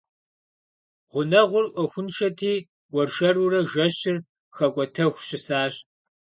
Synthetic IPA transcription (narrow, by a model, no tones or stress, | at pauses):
ʁʷʊnɐʁʷʊrʔʷɔxʷʊnʃɐtʰiː | wɔrʃɐrurɐʒɐɕɪr | xɐkʷʼɔtʰɐxʷɕɪsaːɕ